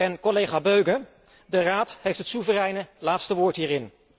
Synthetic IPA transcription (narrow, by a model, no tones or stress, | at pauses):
ɛnkɔlejχaːbøɥɡə | dəraːtɦejftɦətsuvərɛjnəlaːtstəʋʊːɹtɦiːrɪn